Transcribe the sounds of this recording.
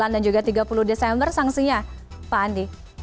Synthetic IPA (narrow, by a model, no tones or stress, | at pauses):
andand͡ʒuɡat̪iɡapuluhdesɛmbərsaŋsiɲapaːndi